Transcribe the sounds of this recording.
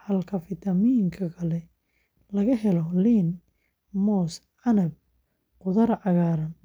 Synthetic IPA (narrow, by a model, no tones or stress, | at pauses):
hɐlkʰɐfɪt̪ʰɐmijŋkʰɐkʰɐlɛ | lɐɣɐɦɛlɔliːn | mɔːs | ʕɑnɐb̚ | qʊðɐrʕɑɣaːɾɐn